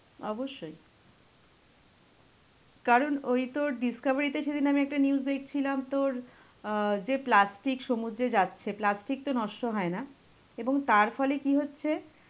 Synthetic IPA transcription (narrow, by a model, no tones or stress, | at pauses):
ɔ̰boʃːoj | kaɾonojt̪oɾɖiskabaɾit̪eʃed̪inamiɛk̚ʈaniuzd̪ek̚ʰt͡ɕʰilamt̪oɾ | d͡ʑeplasʈikʃomud̪ɾed͡ʑatːɕʰeplasʈik̚t̪onɔʃʈoɦɔena | eboŋt̪aɾfɔlekiɦotːɕʰe